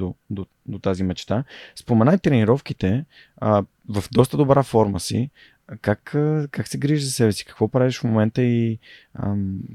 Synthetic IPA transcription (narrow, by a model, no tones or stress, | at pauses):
od̪o | d̪ot̪azimɛt͡ʃt̪aspomɛnajt̪ɾɛniɾɔfk̟it̪ɛ | ə | vɐfd̪ɔst̪əd̪obɾafɔɾməsḭ | kakkaksɛɡɾiʒzɐsɛbɛsi̥kə̥kvɔpɾaviʃfmomɛnt̪əiə̰